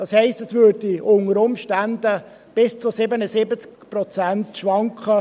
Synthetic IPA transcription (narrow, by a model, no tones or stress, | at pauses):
d̥ɑshɛɪstɛsvød̥iʊŋəɾʊmʃtænd̪ə | b̥ɪst͡sʊsɪbənəsɪbət͡skprɔt͡sæntʃʋɑŋkχə